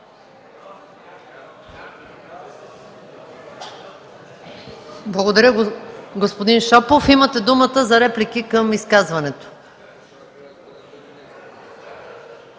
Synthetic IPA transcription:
blˠɐɡod̪ɐɾʲəɡospod̪inʃɔpofimət̪ɛd̪umət̪əzɐɾɛplikikəmiskazvɐnɛt̪o̥

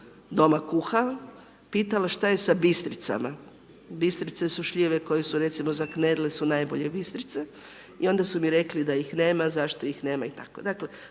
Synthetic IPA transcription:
d̪o̞makuxal | piːt̪alaʃt̪aje̞sabist̪ɾit̪sa̰ma | bist̪ɾit̪se̞suʃʎiʋe̞ko̞jesuɾe̞t̪simo̞zakned̪lesunajboʎebist̪ɾit̪se | io̞nd̪asumiɾe̞klid̪ajixne̞ːmazaʃt̪o̞ixne̞ːmait̪akod̪akle̞

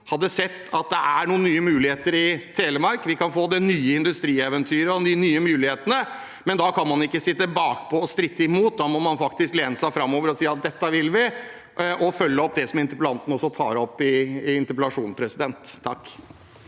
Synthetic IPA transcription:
hɑd̪ːəsɛt̪ːɑt̪̚d̪ɛʔæɳuːənnyːəmʉːlɪheːt̪əɾɪt̪ʰeːləmɑɾkʋɪkɑnfoːd̪ɛnyːəɪnd̪ʉst̪ɾiːɛʋənt̪ʰyːɾəɔnynyːəmʉːlɪheːt̪ənə | mɛnd̪ɑkʰɑnmɑnɪkːəsɪt̪ːəbɑːkpʰɔɔst̪ɾɪt̪ːəɪmuːt̪̚d̪ɑːmɔmɑnfɑk̚t̪ɪskleːnəsæɪfɾɑmːoːʋəɾɔsiːɑt̪̚d̪ɛt̪ːəʋɪlʋɪ | ʔʔɔfœlːəɔp̚d̪ɛsɔmɪnt̪əɾpəlɑnt̪ən̩ɔsɔt̪ʰɑːɾɔpːɪːɪnt̪əɾpəlɑʂuːnspʰɾɛsɪd̪ɛnt̪ʰːɑkː

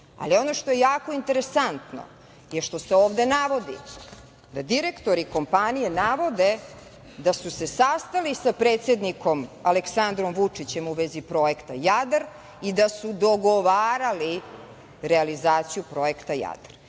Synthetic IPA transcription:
a̰lio̞no̞ʃt̪o̞je̞jaːko̞int̪e̞ɾesant̪no̰ | jeʃt̪o̞seoːvd̪e̞naʋo̞d̪ḭ | d̪ad̪iɾekt̪oɾiko̞mpanijenaʋo̞d̪e | d̪asuse̞sast̪alisapɾeːt̪sed̪niko̞maleksand̪ɾomʋut͡ʂit͡ɕe̞muʋezipɾo̞jekt̪ajad̪ɾ | id̪asud̪o̞ɡoʋaːɾali | ɾealizaːt̪sijupɾo̞e̞kt̪aja̰d̪r

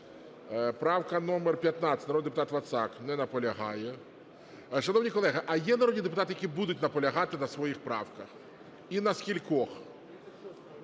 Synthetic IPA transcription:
pɾɑwkɐnɔmɛrpʲjɐt̪nasʲɪ̥ɐtnɐɔd̪pʊt̪at̪ʋɐt̪saknɛnɐpɔlʲɐɦɑjɛ | ʃɐnɔwnʲikɔlˠɛɦɐʔɐjɛnɐɾɔdʲnʲid̪epʊt̪at̪ɪjɐkʲibud̪ʊtʲnɐpɔlʲɐɦɑt̪ɪnɐsʋɔjixpɾɑwkɐx | inɐskʲilʲkɔx

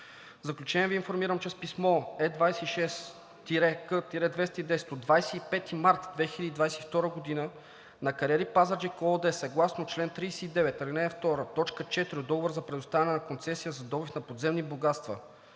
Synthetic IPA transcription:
vzɐklʲut͡ʃɛniɛviːnfoɾmiɾəmt͡ʃɛspismɔɛd̪vajsɛiʃɛs | t̪iɾɛkət̪iɾɛd̪vɛst̪əid̪ɛsɛ̥t̪od̪vajsɛipɛt̪imaɾt̪d̪vɛxilʲəd̪id̪vajsɛ̥ift̪ɔɾəɡod̪inə | nɐkɐɾʲiɛɾipazaɾd͡ʒɛkood̪ɛsɐɡlˠasnot͡ʃlɛnt̪ɾijsɛid̪ɛvɛt̪əlinɛɛft̪ɔɾət̪ɔt͡ʃkət͡ʃɛt̪iɾʲid̪ɔɡovoɾzɐpɾɛd̪ʊst̪avʲɛnɛnɐkont̪sɛsiəzɐd̪ɔbifnɐpod̪zɛmniboɡat̪st̪və

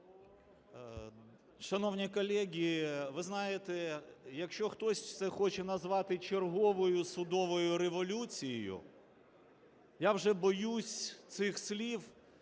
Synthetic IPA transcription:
ʃɐnɔwnʲikɔlʲɛɦʲiːʋɪznɑjet̪ɛjɐkʃt͡ʃɔxt̪ɔsʲt̪sɛxɔt͡ʃɛnɐzʋɑt̪ɪt͡ʃerɦɔʋɔjʊsʊd̪ɔʋɔjʊɾeʋɔlʲut͡sʲijijʊ̰ | jawʒɛbɔjusʲt̪sɪxsʲlʲiw

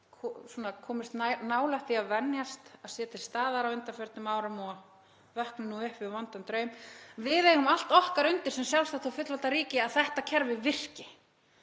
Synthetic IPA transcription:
kʰɔsɔːnakʰɔːmɪst̪nnaːwlaht̪θiaðvɛnjast̪aðsɛːt̪ʰɪlst̪aːðaɾawʏnt̪afœɾt̪nʏmaːwɾamɔ | vœhknʏnuʏhpvɪðvɔnt̪ant̪ɾœːɥmvɪðejɣʏmal̥t̪ɔhkaɾʏnt̪ɪɾ̥sɛmsjawlsθat̪ʰawfʏt̪lɔlt̪aɾiːcɪaðθɛht̪acʰɛɾvɪvɪr̥cɪ

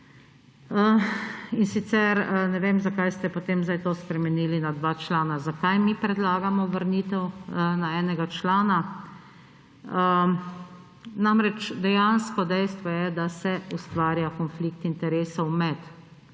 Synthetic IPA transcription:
əinsit̪sɛɾnɛʋeːmzakajst̪ɛpot̪eːmzd̪ajt̪ospɾɛmɛniːlinad̪ʋat͡ʃlaːnazakajmipɾɛd̪laːɡamɔʋəɾniːt̪ɛwnaɛːnɛɡat͡ʃlaːna | namɾɛt͡ʃd̪ɛjanskɔd̪ɛjst̪ʋɔjɛd̪asɛust̪ʋaːɾjakɔnflikt̪int̪ɛɾeːsɔwmɛt̪

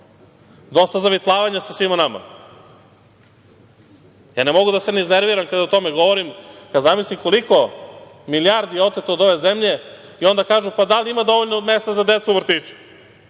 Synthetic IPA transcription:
d̪o̞st̪azaʋit̪lˠaːʋaɲasasʋimanama̰ | jaːnemo̞ɡud̪aseneizneɾʋiɾamkad̪aot̪o̞meɡo̞ʋoɾimkad̪zamislimko̞liko̞milijaɾd̪ijeo̞t̪et̪od̪o̞ʋe̞ze̞mʎe̞ | io̞nd̪akaːʒupad̪aliimad̪o̞ʋoʎnome̞st̪azad̪et̪suʋr̩t̪it͡ɕu̥

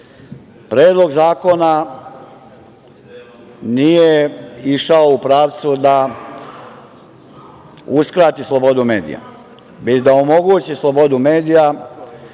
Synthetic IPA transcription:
pɾeːd̪lˠo̞ɡzaːko̞na | nijeiʃaoupɾaːʋt̪sud̪a | uskɾaːt̪islˠo̞bo̞d̪ume̞ːd̪ḭja̰ | bed̪aomo̞ɡuːt͡ɕislo̞bo̞d̪ume̞ːd̪ija

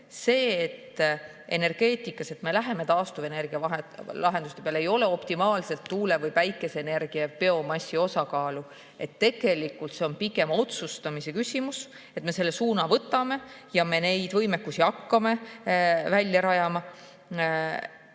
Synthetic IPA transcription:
se̞ːt̪ː | e̞̰ne̞rɡ̥e̞ːt̪ˑikːˑɑse̞t̪me̞læɦe̞me̞t̪ɑːst̪uve̞ne̞rɡ̥iɑɑlɑɦe̞nd̪̥ust̪epeɑleejo̞le̞o̞pt̪imɑːlse̞lt̪ːuːle̞vɤjvæjkːˑe̞se̞ːne̞rɡ̥iɑpe̞o̞mɑsʲːio̞sɑkɑːlu | e̞t̪ːe̞ɡ̥e̞likːˑult̪se̞o̞npikˑe̞mo̞t̪sust̪ɑmise̞kysʲimus | e̞t̪me̞se̞lːe̞suːnɑvɤt̪ːˑɑme̞jɑme̞ne̞jd̪̥vɤjmekːusiɑkːɑme̞ | vælʲjɑɾɑjɑmɑ

